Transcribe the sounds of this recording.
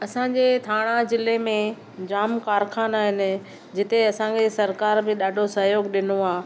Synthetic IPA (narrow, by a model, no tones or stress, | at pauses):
ɐsãːɲd͡ʑeːt̪ʰaːɽ̃ãzɪlemẽ | d͡ʑaːmkaːɾkʰaːnaːɦɪnɪ̆ | d͡ʑɪt̪eɐsãkʰesɐɾkaːɾbɪɗaːɖʱosɐɦjoːɡɗɪnoaː